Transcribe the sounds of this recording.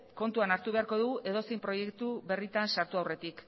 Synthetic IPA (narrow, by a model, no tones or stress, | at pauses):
ko̞nt̪uanaɾt̪uβe̞aɾko̞ðuɣuʔe̞ð̞o̞sejmpɾo̞je̞kt̪uβe̞rit̪ansaɾt̪uawre̞t̪ik